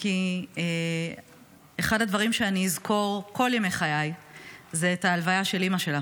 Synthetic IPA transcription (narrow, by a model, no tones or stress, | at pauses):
kie | eχadadvaʁimʃeaniizkʰo̞ʁko̞ljeme̞jχajajzeːtaːlvajaʃe̞limaʃe̞la